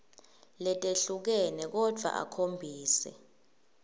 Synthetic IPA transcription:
lɛtʼeɬuk̬ɛnɛk̬ɔd̥ʱwa̰ʔa̰kʰombʱiːsɛ̰

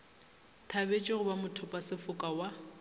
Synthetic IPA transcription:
tʰabet͡ʃʼɪɣʊbamʊtʰʊpʼasɪfʊkʼawa

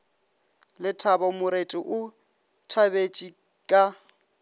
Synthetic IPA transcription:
lɪtʰabɔmʊɾetʼɪʔʊ | tʰabet͡ʃʼi | kʼa

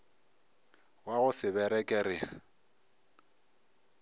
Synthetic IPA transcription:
waɣʊsɪbɛɾɛkʼɛɾɪa

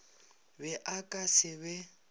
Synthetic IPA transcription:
bɛʔakʼasɪbɛ

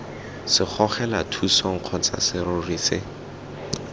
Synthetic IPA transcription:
sɪk͡xʰɔχɛlatʰusɔŋ̩q͡χʰɔt͡sa̰sɪrʊriːsɪ

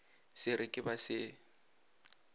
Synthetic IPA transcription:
sɪɾɪkʼɪbasɪ

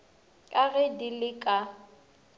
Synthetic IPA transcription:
kʼaɣɛdilɪkʼa

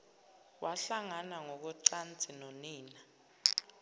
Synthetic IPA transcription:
waɬaŋanaŋɔk̬ɔǀant͡sʼinoniːna

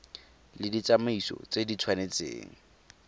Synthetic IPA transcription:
lɪdit͡samaisɔ̰t͡sedit͡sʰwanet͡sḛːŋ̩

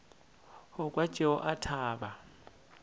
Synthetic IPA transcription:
hɔkʼwḁt͡ʃʼɛɔʔatʰaːβa

